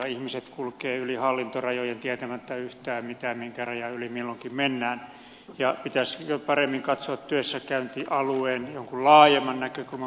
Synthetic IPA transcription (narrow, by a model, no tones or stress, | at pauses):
ihmiset̪kulkeːylihɑlːint̪orɑjojent̪iæt̪æmæt̪ːæyht̪æːmmit̪æmmiŋkærɑjɑylimilːoŋkimmenːæːn | jɑpit̪æsjopɑremːiŋkɑt̪soɑt̪t̪yøsːækæynt̪iʔɑlueːnjoŋkullɑːjemːɑnnækøkulmɑ